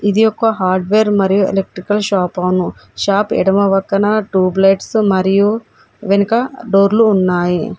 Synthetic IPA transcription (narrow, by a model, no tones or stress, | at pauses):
id̪ijɔkːɐɦaːɾɖʋeːɾmɐɾijuḛlek̚ʈɾikɐlʃaːpɐʋnuʃaːpɛ̰ɽɐmɐʋɐk̪ːɐnɐʈuːblejʈsmɐɾiju | ʋenikɐɖoːɾluːnːaːji